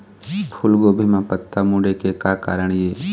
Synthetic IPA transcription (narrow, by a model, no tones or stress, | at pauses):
pʰʊlɡoːbʱimãpət̪ːamũːɖekekaːka̰ːɾəɳjeː